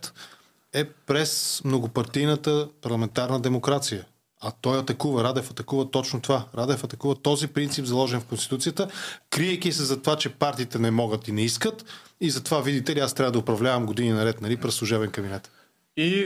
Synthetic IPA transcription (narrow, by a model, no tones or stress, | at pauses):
t̪ | ɛpɾɛsmnoɡʊpɐɾt̪ijnət̪əpɐɾlˠɐmɛnt̪aɾnəd̪ɛmokɾat̪sijə | ɐt̪ɔjɐt̪ɐkuvəɾad̪ɛfɐt̪ɐkuvɐt̪ɔt͡ʃnot̪ovaɾad̪ɛfɐt̪ɐkuvɐt̪ɔzipɾint̪sipzɐlˠɔʒɛnfkonst̪it̪ut̪sijət̪əkɾiɛjk̟isɛzɐt̪ovat͡ʃɛpaɾt̪iːt̪ɛnɛmɔɡət̪inɛiskət̪izɐt̪ovavid̪it̪ɛliast̪ɾʲavəd̪ʊpɾɐvlʲavəmɡod̪ininɐɾɛt̪nɐlipɾɛslˠuʒɛbɛnkɐbinɛt̪ | i